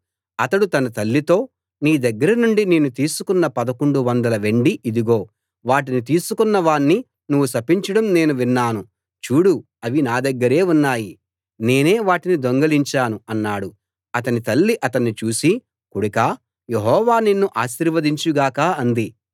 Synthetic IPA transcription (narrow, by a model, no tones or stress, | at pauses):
ɐt̪ɐɽut̪ɐnɐt̪ɐlːit̪o̞ː | niːd̪ɐɡːɐɾɐnuɳɖineːnut̪iːsukunːɐpɐd̪ɐkoɳɖuʋɐnd̪ɐlɐʋe̞ɳɖiʔid̪iɡo̞ː | ʋaːʈ̬init̪iːsukunːɐʋaːɳːi | nuʋːusɐpiɲt͡ʃɐɽɐmne̞ːnuʋinːaːnu | t͡ʃuːɽu | ɐʋinaːd̪ɐɡːɐɾe̞ːunːaːji | ne̞ːne̞ːʋaːʈinid̪o̞ŋɡɐliɲt͡ʃaːnuɐnːaːɽu | ɐt̪ɐnit̪ɐlːiʔɐt̪ɐnːit͡ʃuːsi | kuɽɐkaː | je̞ɦɔːʋaːninːuʔaːʃiɾʋɐd̪iɲt͡ʃuɡaːkaːɐnd̪i